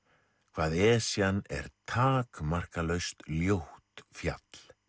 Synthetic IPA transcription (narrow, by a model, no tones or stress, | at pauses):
kʰv̥aːðɛːsjanɛ̰ɾt̪ʰaːkmar̥kalœɥst̪ljoht̪fja̰t̪l̥